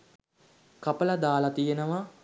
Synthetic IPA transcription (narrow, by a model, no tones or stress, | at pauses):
kɐpəlɐd̪aːlat̪ijenəʋa